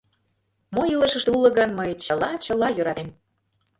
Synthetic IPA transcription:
mojilˠə̆ʃə̆ʃt̪ulə̆ɣənməjt͡ɕə̆lɑt͡ɕə̆lɑjøɾɑt̪em

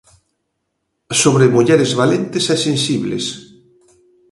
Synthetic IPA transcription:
soβɾemoʎɛɾezβalent̪esɛsẽnsiβlḛs

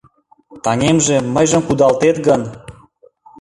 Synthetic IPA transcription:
t̪ɑŋʲemʒĕməjʒə̆mkud̪ɑlt̪et̪ɡən

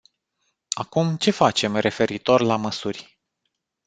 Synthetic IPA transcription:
akumt͡ʃe̞fat͡ʃe̞mre̞fe̞ɾit̪o̞rlaməsurʲ

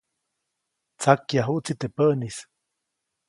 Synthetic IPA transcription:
t͡sakjaɦuʔt͡sit̪epəʔnis

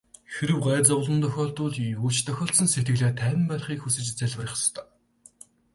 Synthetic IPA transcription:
xeɾɘ̆wɢæːt͡sɔʁɮɞ̆nt̪ʰœxʲɔːɬt̪ʊːɮuːt͡ɕt̪ʰœxʲɔːɬsɞ̆nset̪ɡɘ̆ɮeːt̪ʰæːnʲɪ̆mpæːɮχiːkxusɘ̆t͡ɕt͡sæɮʲwə̆rʲɪ̆χst̪ʰœː

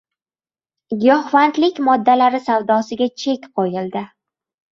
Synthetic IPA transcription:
ɡʲɒhvant̪lɪkʲmɒd̪ːalaɾɪsavd̪ɒsɪɡʲat͡ʃʰe̞kʲqʰojɪld̪ɪ

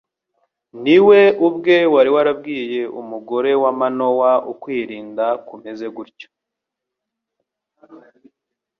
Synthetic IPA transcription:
niwe̞ubɡe̞waɾiwaɾab̚ɡiːje̞umuɡo̞ɾe̞wamano̞waukwiːɾiːndakume̞ze̞ɡuɾco̥

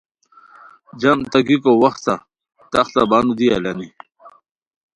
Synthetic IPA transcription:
d͡ʑɐmt̪ɐɡikowɐxt̪sa | t̪ɐxɬabaːnud̪ia̰lani

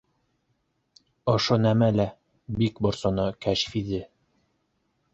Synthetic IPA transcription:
ŏʃonæmælæ | bikbŏɾsŏnɤkæʃfiðɘ

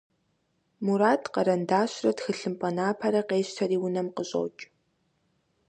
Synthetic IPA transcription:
muɾaːtʰqɐɾɐndaːɕrɐtxɨɬɨmpʼɐnaːpʰɐɾɐqeːɕtʰɐɾiːwʊnɐmqəɕʼo̰ːt͡ʃʼ

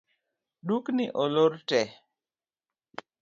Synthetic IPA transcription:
duknɪʔɔloɾtɛ

